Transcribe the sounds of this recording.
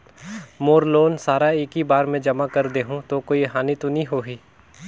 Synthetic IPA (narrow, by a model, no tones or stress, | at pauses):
moːɾloːnsaːɾaeːkibaːɾmẽd͡ʒɐmakɐɾd̪eːɦũt̪okoːiɦaːnit̪onĩɦoːɦiː